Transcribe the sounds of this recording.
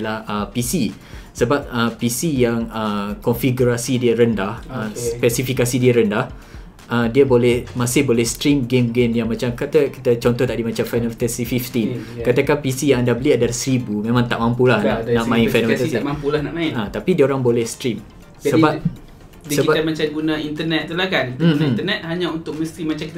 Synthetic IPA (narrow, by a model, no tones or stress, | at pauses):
lahəpisi | səbap̚əpisijaŋəkɔnfiɡuɾasidiəɾəndahəspɛsifikasidiəɾəndah | ʔədiəbolɛhmasɪhbolɛhst̪ɾimɡemɡemjaŋmãt͡ʃamkat̪əki̥t̪ət͡ʃɔnt̪ɔht̪aʔdimat͡ʃamfanɔft̪əsifift̪in | kat̪əkanpisijaŋandabəliadalasəɾibumẽmãŋt̪aʔmampulahnanaʔmãɪ̃nfanɔmt̪əmampulahnaʔmãɪnat̪apidiəoɾaŋbolɛhst̪ɾim | səba | disəkibat̪amat͡ʃamɡunãint̪ənɛt̪̚t̪ulahkanm̩ĩt̪ənɛt̪̚haɲãunt̪ʊk̚məst̪imat͡ʃamkit̪